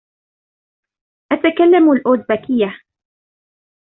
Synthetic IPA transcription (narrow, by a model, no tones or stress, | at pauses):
ʔat̪akalːamalʔoːd̪bakɪjːa